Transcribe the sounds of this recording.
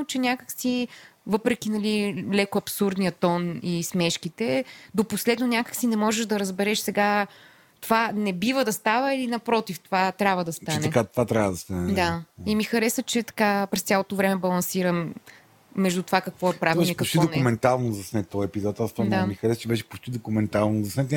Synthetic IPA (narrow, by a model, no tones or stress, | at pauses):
not͡ʃɛnʲakəksivɤpɾɛkinɐlilɛkoɐpsuɾd̪nijət̪ɔnismɛʃkit̪ɛd̪oposlɛd̪nonʲakə̥ksinɛmɔʒɛʒd̪ɐɾəzbɛɾɛʃsɛɡa | t̪ovanɛbivəd̪ɐst̪avəilinɐpɾɔt̪ift̪ovat̪ɾʲabvəd̪ɐst̪ant̪ɛkat̪ovat̪ɾʲavəd̪ɐst̪anɛd̪aimixɐɾɛsət͡ʃɛt̪ɐ̥kapɾɛsʲalˠot̪ovɾɛmɛbɐlˠɐnsiɾəmː | ɛʒd̪ut̪ovakɐkvɔɛpɾavbɛɛkɐt͡ʃt̪iɔd̪onɛmɛnt̪alˠnozɐsnɛt̪ːɔjɛpizɔt̪ast̪aamixɐɾɛsət͡ʃɛbɛʃɛ̥pot͡ʃt̪id̪okumɛnt̪alˠnozɐsnɛt̪